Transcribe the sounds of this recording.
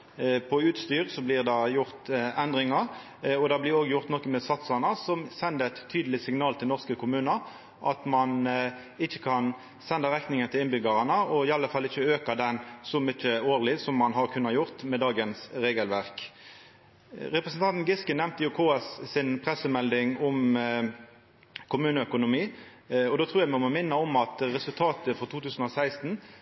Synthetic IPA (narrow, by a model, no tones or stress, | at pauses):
pʰɔʉːt̪st̪yːʁsɔblɪʁd̪ɑjʊʁt̪ɛnd̪ʁɪŋɑʁ | ɔd̪ɑːblɪɾoːɡjʊʁt̪nɔkːəmɛsɑt̪sɑnəsɔmsɛnd̪əɛt̪ʰːyːd̪əlɪsɪŋnɑːlt̪ʰɪlnɔʁskəkʰʊmʉːnəʁ | ʔɑt̪mɑn | ɪçːə̥kʰɑn | sɛnd̪ɑʁɛkt̪nɪŋənt̪ʰɪlɪnbʏɡɑʁɑnəɔɪɑlːəfɑlːɪçːəøːkɑd̪ɛnsɔmʏt͡ʃːəoːʁlɪsɔmːɑnɦɑʁkʰʉnːɑjʊʁt̪mɛd̪ɑːɡənsʁeːɡəlʋæʁk | ɾɛpɾəsən̩t̪ɑnt̪nɡɪskənɛmt̪əjʊkʰoːɛsːɪnpʰʁɛsəmɛld̪ɪŋɔm | kʰʊmʉːnəœkʊnʊmiː | ɔd̪ɔːt̪ʰʁuːjæmɔmɔmɪnːəɔmɑt̪ʁɛsʉlt̪ʰɑːt̪əfɔʁt̪uːt̪ʉːsn̩ɔsæɪst̪n